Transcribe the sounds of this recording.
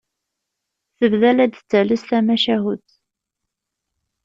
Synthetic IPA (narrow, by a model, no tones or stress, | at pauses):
θəvðælæd̪t͡sːæləsθæmæʃæɦut̪